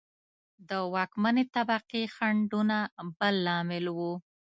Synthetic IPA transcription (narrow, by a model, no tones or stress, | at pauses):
d̪əwɑkmanet̪abaqixaɳɖunabəlːɑmɪlwu